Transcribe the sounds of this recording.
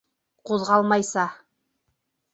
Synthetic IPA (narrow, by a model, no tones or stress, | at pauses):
quðʁɑlˠmɑjsɑ